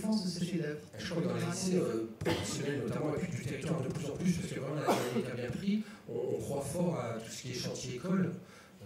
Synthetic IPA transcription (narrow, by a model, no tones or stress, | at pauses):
fɑ̃sd̪əsfed̪ɛ | ʒə̥kʰwakɔ̃nɛt̪aseøpχɔfɛsjɔnɛlnɔt̪amɑ̃akyd̪yt̪ɛʁikt̪ɔʁd̪əplyzɑ̃plyspaʁsəkəvʁɛmɑ̃laɛd̪abjɛ̃pχiɔ̃ːkχwafɔʁat̪u̥sə̥kʲiɛʃɑ̃t̪ʰjed̪ekɔl